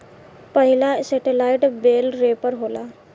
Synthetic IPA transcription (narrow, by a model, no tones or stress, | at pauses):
pəɦilaseʈelajʈbelɾepəɾɦola